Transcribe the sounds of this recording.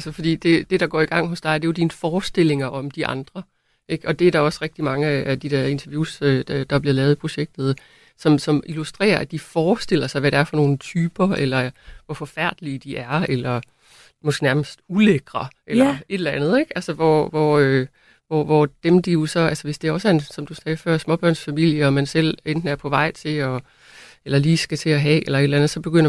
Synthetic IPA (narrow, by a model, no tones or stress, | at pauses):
ælsəfɒ̽d̥ḭːd̥e̝d̥e̝ɾɑ̈ɡ̥ɒ̰ːiɡ̥ɑ̈ŋ̰ɦɔ̽sd̥ɑ̈ɪɐd̥e̝jo̝d̥inəfɒːsd̥e̝l̰e̝ŋɐʔɒ̽md̥iʔɑ̈nd̥ʁɐ | ʔe̝ɡ̥ɒ̽d̥e̝æɐɾ̥ɑ̈ɒ̽sʁeɡ̥d̥imɑ̈ŋəææd̥id̥e̝ɐ̰e̝nt͡sʰɛɐʋjuːsø̥d̥ɑ̈æb̥liɐlɛːʊð̩ˠipʰʁo̝ɕeɡ̥̚d̥ð̞̩ˠ | sɒ̽msɒ̽mʔilusd̥ʁḛːɐæd̥ifɒːsd̥e̝l̰ɐsɑ̈ɪʋæɾ̥eæɐfɒ̽no̝ːn̩t͡sʰyːb̥ɐelɐʋɒfɒ̽fæɐ̰d̥əlid̥iʔæɐelɐ | mɒsɡ̥e̝næɐməsd̥uleɡ̥ʁɐʔelɐe̝d̥l̩ænð̩ˠeɡ̥ælsəʋɒʋɒø | ʋɒʋɒd̥emd̥ijo̝sɒ̽ælsɐʋe̝sd̥e̝æɒ̽səæensɒ̽md̥usɛːfɶɐ̰smɒ̽b̥ɶɐ̰nsfæmil̰jəɒ̽mænsel̰end̥n̩æɐpʰɒ̽ʋɑ̈ɪ̰t͡sʰe̝ɒ | elɐliːsɡ̥æt͡sʰe̝æɦɛelɐe̝d̥lænð̩ˠsɒ̽b̥e̝ɡ̥øn̰ɐ